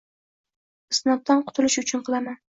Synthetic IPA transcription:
ɨsnɒt̪̚ːanqʰʊ̥t̪ʰʊlɪʃʊt͡ʃʰʊnqʰɨlˠaman

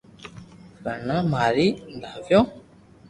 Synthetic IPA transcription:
kəɳãːmaːɾiːd̪ʱaːʋjõː

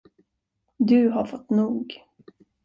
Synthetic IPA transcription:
d̪ɵɦaɾfɔt̪ːnuːɡ

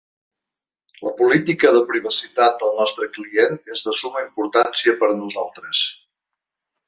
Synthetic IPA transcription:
ləpulit̪ikəðəpɾiβ̞əsit̪at̪̚d̪əlˠnɔst̪ɾəklienezðəsuməimpuɾt̪ansiəpəɾnuzalˠt̪ɾəs

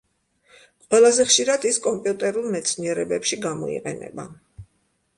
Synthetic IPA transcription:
qʼwɛlˠazɛχʃiɾad̪iskʼɔmpʼjut̪ʼɛɾulˠmɛt̪sʰniɛɾɛbɛpʃiɡamɔ̰ḭqʼɛ̰nɛ̰ba̰

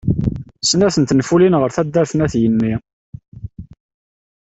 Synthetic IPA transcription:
snæθənt̪ənfulinʁəɾθæd̪ːæɾθnæθjənːi

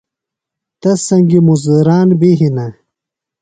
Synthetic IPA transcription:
t̪ɐsɐŋɡimuzd̪ɐɾaːnbiɦinɐ

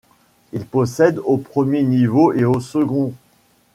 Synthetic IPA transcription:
ilpɔsɛd̪opχəmjenivoʔeosəɡɔ̃

